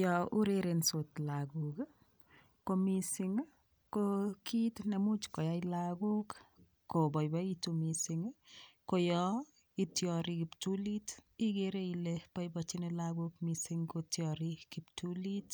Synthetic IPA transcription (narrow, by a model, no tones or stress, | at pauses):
jɔuɾeɾensotlaɡuk | komisiŋ | kokʰitnɛmut͡ʃkɔjailaɡuk | kːobɔjbaitumisɪŋkojɔ | itjɔɾikiptulitiɡeɾeilepɔjbɔt͡ʃinelaɡukmisiŋkotjɔɾikiptulit